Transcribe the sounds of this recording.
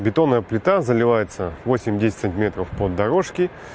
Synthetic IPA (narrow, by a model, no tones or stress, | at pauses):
bʲɪt̪o̞nːəjəplʲɪt̪azəlʲɪvajɪt̪səvo̞sʲɪmʲdʲesʲɪt̪ʲsɨnʲtʲɪmʲe̞t̪ɾəfpod̪ːɐɾo̞ʂkʲɪ